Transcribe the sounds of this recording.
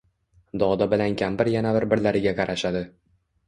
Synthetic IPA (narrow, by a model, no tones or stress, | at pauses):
d̪ɒd̪abɪlankʲʰambɪɾjanabɪɾbɪɾlaɾɪɡʲaqʰɑɾaʃad̪ɪ